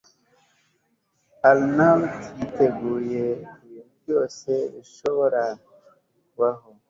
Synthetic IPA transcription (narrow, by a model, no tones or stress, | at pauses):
alnamtʰiteɡujeiji | joseiʃoɾa | waɦo